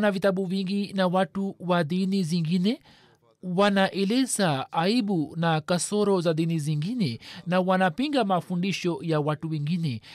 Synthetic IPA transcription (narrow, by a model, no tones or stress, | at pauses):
navitaɓuviŋɡinawatuwaðiniziŋɡinɛ | wanaʔɛlɛzaaiɓunakasɔɾɔzaðiniziŋɡinɛnawanapiŋɡamafundiʃɔjawatuwɛŋɡinɛ